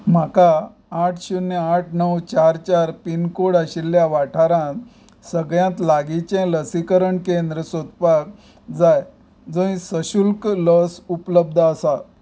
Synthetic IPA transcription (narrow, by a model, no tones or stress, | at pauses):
makaː | ʈʰɕunːeaʈʰnəwt͡ɕaɾt͡ɕaɾpinkoɽaɕilːjaʋaʈʰaɾãt̪ | səɡɭjãt̪laɡit͡ɕɛ̃ləsikəɾəɳkend̪ɾəsot̪̚pak | d͡zaj | d͡zõĩsəɕulkləsupləb̚d̪ʱəsa